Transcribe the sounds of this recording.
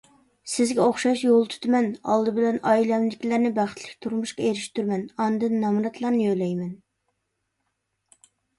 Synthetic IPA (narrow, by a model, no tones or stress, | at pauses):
sɪzɡʲɛoχʃɑʃjolˠt̪ʰy̥t̪ʰmɛnɑ̰lˠd̪ɨbɪlɛnɑilɛmd̪ɪkʲlæɾnɪbæχt̪ʰlɪ̥kʲt̪ʰuɾmuʃqɑeɾɪʃt̪ʰyɾmɛnɑnd̪ɨnːɑmɾɑt̪ʰlˠɑɾnɨjølɛjmɛn